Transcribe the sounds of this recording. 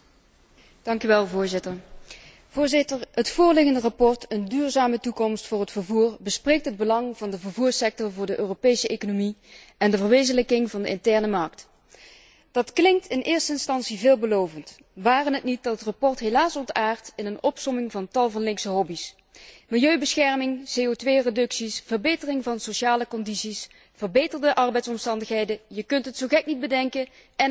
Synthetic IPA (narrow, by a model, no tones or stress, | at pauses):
d̥ɑŋkyʋɛlˠvʊːɹzɪtəɹ | v̥ʊːɹzɪtəɹɦətfʊːɹlɪɣəndərɑpɔɹtəndyːɹzaːmətukɔmstfʊːɹɦətfəɹvuːɹbəsprejk̚tɦəd̚bəlɑŋvɑndəvəɹvuːɹsɛk̚tɔɹvʊːɹdəʔøːropejsəʔejkonomiʔɛndəvəɹʋejzənləkɪŋvɑndəɪntɛɹnəmɑɹkt | d̥ɑtklɪŋktʰɪnʔɪːɹstəɪnstɑnsivɪːlˠbəlowvənt | ʋaːrənɦətnit̚dɑtətrapɔɹtɦelaːsɔntaːɹtɪnənɔpsɔmɪŋvɑntɑlˠvɑnlɪŋksəɦɔbis | mɪlˠjøɥbəsxɛɹmɪŋseːotʋejredɵksisv̥ərbejtərɪŋvɑnsoʃaːləkɔndisis | v̥ərbejtərdəʔɑɹbɛjtsɔmstɑndəxɦejdəjəkɵntɦətsowɣɛk̚nid̚bədɛŋkə | ɛ